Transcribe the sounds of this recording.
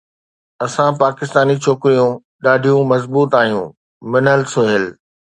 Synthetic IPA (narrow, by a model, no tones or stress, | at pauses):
ɐsãpaːkɪst̪aːnit͡ɕʰoːkɪɾijũ | ɗaːɖʱijũmɐzbuːt̪aːɦijṵ̃ | mɪnəlsʊɦɪlɪ